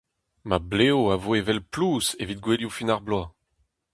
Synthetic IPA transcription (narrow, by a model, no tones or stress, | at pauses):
mableoavoevɛlpluːsevit̪̚ɡweljufinaʁblwa